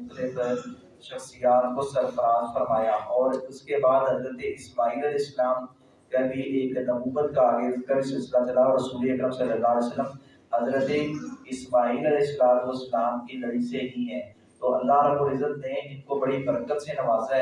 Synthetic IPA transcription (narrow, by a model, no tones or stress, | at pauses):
ʊt̪əlɪf | ʃɐxsijaːt̪kosɐɾfɐɾaːzfɐɾmaːjaʔɔːɾʊskebaːd̪ɦɐzɾət̪eʔɪsmaːɦiːlɐlɪslaːm | kɐbʱiʔeːknɐbuːbət̪kaːɡeːzkɐbisɪlslat͡ʃɐlaɾɐsuːleɐkɾəfsɐlːəlːaːlɛsəlːəm | ɦɐzɾət̪eɪsmaːɦiːlɐlɛɪslaːmoslaːmkinɐɾiːseɦĩɦɛ̃ː | t̪oːɐlːaɦɾɐbuːɾɪzːət̪nẽd͡ʒɪnkobɐɽibɐɾəkət̪senɐʋaːzaɦɛ